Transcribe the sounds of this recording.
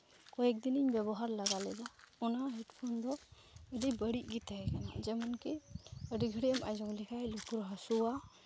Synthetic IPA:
kɔɛk̚d̪iniɲbɛbɔɦaɾlaɡalɛd̪aunaɦɛʈpʰɔnd̪ɔ | əɖibəɽiʔ̚ɡit̪aɦɛkana̰d͡ʒɛmɔnkɛəɖiɡʱəɽiəmajd͡ʒɔŋlɛkʰajlukuɾɦasuwa

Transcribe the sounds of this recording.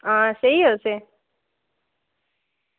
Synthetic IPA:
ɦãːsəɦiɦose

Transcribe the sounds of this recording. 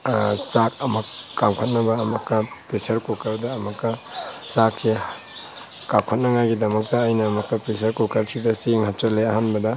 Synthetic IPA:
sak̚ɐmɐkːamkʰɐt̚nɐbɐːmɐkːɐpɾisɐɾkokawdɐːmɐkːɐsaksi | kapkʰot̚nɐŋajɡidɐmɐk̚tɐːjnɐːmɐkːɐpɾisɐɾkukʰɐɾsidɐsiŋhap̚t͡ʃɐleɐɦanbɐdɐ

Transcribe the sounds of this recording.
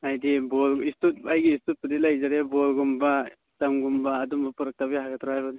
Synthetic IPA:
ajdibɔlistut̚ajɡiːstut̚pudilajzaɾebɔlɡumba | stamɡumbaːdumbapuɾak̚tabijɦaɡatʰɾahajban

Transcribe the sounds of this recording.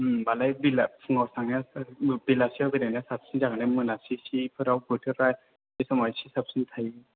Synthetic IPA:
mbalajbilapʰuŋawsaŋnabilasiabidanasap̚sinzaŋnamɯnasisipʰɯɾawbɯtʰɯɾɾaj | isamɔjsisap̚sint̪ʰajɯ

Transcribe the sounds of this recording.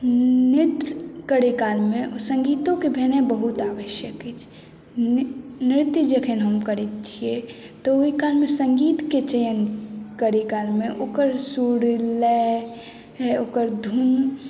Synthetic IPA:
nɪɾt̪kəɽekaːlmẽsə̃ŋɡiːt̪õkebʱenebəɦut̪aːʋəʃjəkɦet͡ʃʰ | nɪɾt̪jd͡ʒəkʰenɦəmkəɾet̪̚t͡ʃʰie | t̪ooɦikaːlmẽsə̃ŋɡiːt̪ket͡ʃəjənkəɽikaːlmẽʔoːkəɾsuɽlɛ | ɦɛoːkəɾd̪ʱun

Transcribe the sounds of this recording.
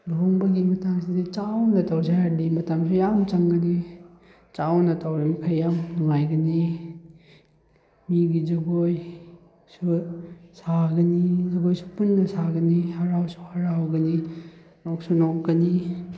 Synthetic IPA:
loŋbɐɡimɐtaŋsidit͡ʃawnɐtawzajaɾdimɐtamsujamt͡ʃɐŋɡɐni | t͡ʃawnɐtʰawɾimikʰajːamnuŋajɡɐni | miɡid͡ʒɐɡoj | susaɡɐnizɐɡojsu̥punːɐsaɡɐnihaɾawsu̥haɾawɡɐni | nok̚sunokɡɐni

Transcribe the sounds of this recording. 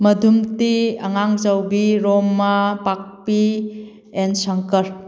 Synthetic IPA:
mɐdʱumtiɐŋaŋzəwbiɾomːapak̚pi | ensaŋkəɾ

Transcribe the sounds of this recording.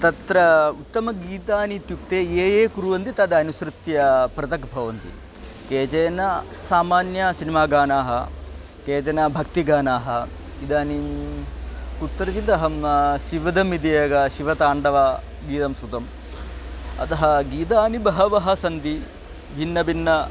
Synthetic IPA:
t̪ɐt̪ɾɐut̪ːɐmɐɡiːt̪aːnit̪jukt̪eːeːjeːkuɾuʋɐnt̪it̪ɐd̪ɐɐnusɾut̪jɐpɾɐt̪ɐkbʱɐʋɐnt̪ḭ | keːt͡ʃɐjnɐ | saːmaːnjɐsinimaːɡaːnaːɦɐ̰ | keːt͡ʃɐnɐbʱɐkt̪iɡaːnaːɦɐ | id̪aːni | kut̪ːɾɐt͡ʃ̪it̪ɐɦɐmʃiʋɐd̪ɐmid̪ijɐɡɐʃiʋɐt̪aːɳɖɐʋaː | ɡiːt̪ɐmsut̪ɐm | ɐ̰t̪ɐɦɐ̆ɡiːt̪̬aːnibɐɦɐʋɐɦɐsɐnt̪i | bʱinːɐbʱinːɐ

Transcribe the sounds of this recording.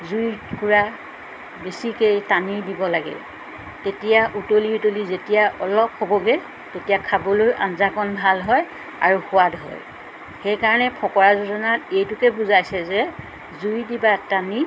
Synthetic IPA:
zujkuɹa | besikejtanidibɔlaɡɛ̰ | tetijaʔutoliutolizetijaʔɔlɔphobɔɡɛ | tetijakʰabolojʔa̰nzakɔnbʱalɦɔj | a̰ɹuxʊwadɦɔ̰j | xejkaɹɔnɛpʰɔkɔɹazɔzɔnatejtʊkɛbuzajsɛzɛ | zujdibatani

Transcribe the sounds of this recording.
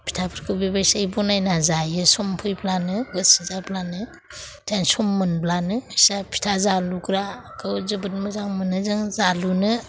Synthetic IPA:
pʰi̥tʰapʰiɾkʰɯbibasaibonajnazajɯsɔmpʰɯjblanɯɡɯsizablanɯ | tansɔmːɯnblanɯajsapʰi̥tʰazalukɾakʰɯzɯbɯtmɯzaŋmɯnɯzɯŋzalunɯ

